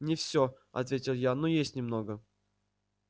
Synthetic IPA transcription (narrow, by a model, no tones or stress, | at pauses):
nʲɪfsʲo | ɐ̰t̪vʲetʲɪlˠjanojesʲtʲnʲɪmno̞ɡə